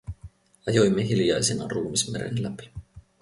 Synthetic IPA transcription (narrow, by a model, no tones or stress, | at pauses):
ɑjo̞jmːe̞ɦiljɑjsenɑ̰ruːmismeɾe̞̰nlæpi̥